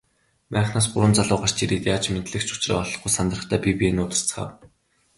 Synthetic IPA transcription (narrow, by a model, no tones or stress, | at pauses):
mæːχnaːs̬ɢʊɾwə̆nt͡saɮʊːɢar̥t͡ɕʰiɾiːt̪jaːt͡ɕment̪ɮɘ̆kt͡ɕʰʊ̥t͡ɕra̰ːɔɮɞ̆χɡujsant̪rə̆χt̪ʰæːpʲipienʊːt̪ə̆r̥t͡sχa̰ːw